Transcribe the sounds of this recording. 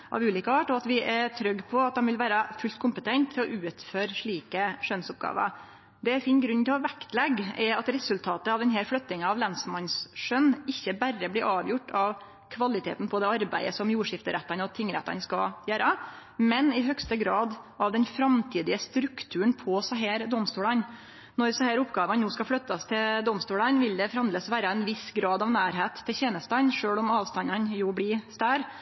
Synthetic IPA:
ʔɑ̰ʋʉːliːkəɑʈːɔɑt̪ʋɪʔæɾt̪ʰɾœɡːpʰɔɑt̪̚d̪ɛnʋɪlʋæːɾəfʉlt̪kʰʊmpət̪ʰɛnt̪ʰːɪlɔʔʉːt̪føːɾʂɭiːkəʂœnsɔp̚ɡɑ̰ːʋə̰ɾ | d̪ɛæɾfiːnɡɾʉnːt̪ɪlɑʋækt̪lɛɡɛɾɑt̪ɾɛsʉlt̪ʰɑːt̪əɑʋd̪ɛnɦɛːɾflœt̪ːɪŋəɑʋlɑnsmɑnsʂœnɪçːəbærːəbliːʔɑːʋjʊʈːʰɑʋ | kʰʋɑlɪt̪ʰḛːt̪n̩pʰɔd̪ɛɑɾbæ̰ɪəsɔmjuːʂɪft̪əɾæt̪ːɑnɔt̪ʰɪŋɾæ̰t̪ːɑ̰nskɑ̰jæːɾə | mɛnɪɦœkst̪əɡɾɑːd̪ | ʔɑʋd̪ɛnfɾɑmt̪ʰiːd̪ɪəst̪ɾʉkt̪ʰʉːɳpʰɔsɑɦæːɾd̪ɔmst̪uːlɑn | nɔɾsɑhæːɾʊpɡɑːʋɑnnoːskɑfɽœt̪ːɑst̪ʰɪld̪ɔmst̪uːlɑnʋɪld̪ɛfɾhɑnd̪əsʋæːɾəɛnʋɪsɡɾɑːd̪ɑʋnæːɾɦeːt̪ʰːɪçeːnəst̪ɑnʂøːɭɔmɑːʋst̪ɑnɑnjublɪst̪æːɾ

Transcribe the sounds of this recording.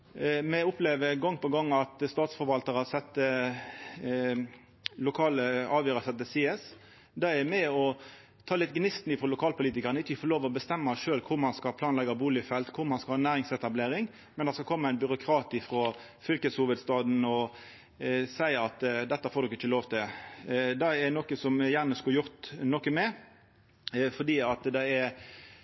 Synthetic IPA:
mɛʊpleːʋəɡɔŋːpɔɡɑŋːɑt̪st̪ɑːt̪sfɔɾʋɑlt̪əʁɑsɛt̪ːə | lʊkʰɑːləɑːʋjøːɾəsɛt̪̚ːəsiːɛs | d̪ɛæmɛɔ | t̪ʰɑːlɪt̪ɡnɪst̪nɪfɾɔlʊkʰɑːlpʊliːt̪ɪkəʁnəɪt͡ʃːəɪfɔloːʋəɔbəst̪ɛmːəʂøːlkʰʊɾmɑnskɑpʰlɑːnlɛɡɑbuːlɪɪfɛlt̪kʰʊɾmɑnskɑlhɑːnːæːɾɪŋsɛt̪ɑbleːɾɪŋ | mɛnd̪ɑskɑlkʰɔmːəæɪnbʏɾʊkʰɾɑːt̪ɪfɾo | fʏlkəshʊːʋəd̪st̪ɑːd̪n̩ɔ | sæɪɑt̪d̪ɛt̪ːəfoːd̪ɔkɪt͡ʃːəloːʋt̪ʰɪld̪ɛɛnɔkəsɔmjæːʁnəskɑjʊʁt̪nɔkːəmɛ | fɔd̪iːɑt̪d̪ɛɛɾ

